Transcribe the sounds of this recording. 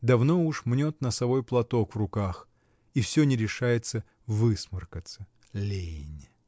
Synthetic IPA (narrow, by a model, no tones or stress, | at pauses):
d̪ɐvno̞uʂmnʲot̪nəsɐvo̞jplˠɐt̪o̞kvrʊkax | ifsʲɵnʲɪɾʲɪʂajɪt̪sə | vɨsmɨrkət̪sə | lʲejnʲ